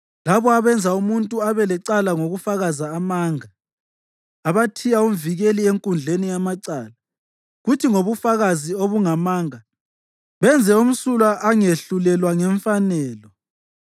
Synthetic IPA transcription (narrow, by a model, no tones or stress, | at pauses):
laβɔaβɛnd͡zʱaumuntʼuaβɛlɛǀalaŋoɣufaɣazaːmaːŋa | βatʰijaum̩viɣelieŋkʼund͡ɮʱenijamaǀaːla | ɣutʰiŋoβufaɣazioβuŋamaːŋa | βɛnd͡zʱɛum̩sulaʔaŋeɬulɛlwaŋɛɱfanɛːlɔ